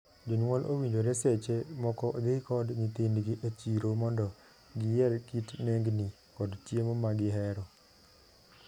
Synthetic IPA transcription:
d͡ʒɔɲwɔlʔo̰wiɲd͡ʒoɾeset͡ʃemɔkɔʔd̪ɪkɔdɲit̪indɡɪʔat͡ʃiɾomɔndɔ | ɡɪjɛɾkitneŋɡni | kɔdtjemɔmaɡɪɦɛɾɔ

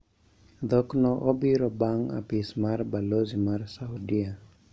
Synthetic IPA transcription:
d̪ɔknɔʔɔbiɾɔbaŋa̰pismarbalozimarsaudia

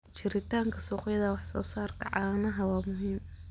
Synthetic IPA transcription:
t͡ʃɪɾɪt̪ʰaːŋkʰɐsuːqjɐðɐwɑħsɔ̰ːsaːrkʰɐ̰ʕɑːnɐɦɐwɑːmʊɦiːm

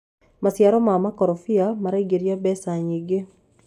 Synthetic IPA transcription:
masjaɾɔmamakɔɾɔfiamaɾaiɡeɾjabɛsaɲiɡe

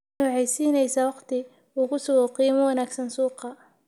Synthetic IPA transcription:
ʊːʕɛjsiːnɛjsɐwɑqt̪ʰɪ | uːkʰʊsʊɣɔqiːmɐwɐnaːɡsɐnsuːqɑ

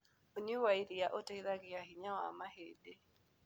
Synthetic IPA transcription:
oɲewaiɾijaʔoteiðaɣɪaɦiɲawa̰mahede

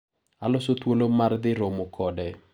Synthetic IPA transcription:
alɔsot̪wolomard̪ɪɾomokʰɔdɛ

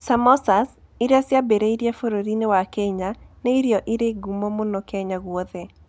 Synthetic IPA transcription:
samɔsas | ɪɾasjabeɾeiɾjafoɾoɾinewakɛɲanɛiɾjɔʔɪɾeɡumɔmonɔkɛɲaɣwɔðɛ

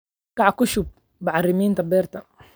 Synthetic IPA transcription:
kɑʕkʊʃʊb̚ | baʕɑrɪmiːnt̪ɐbɛːrt̪ɐ

